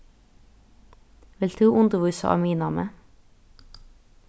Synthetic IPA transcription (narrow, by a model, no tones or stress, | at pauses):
ʋɪlt̪ʰuːʔʊnd̪əʋʉːsɑ̰ʔɑ̰ːmiːnɑːmə̰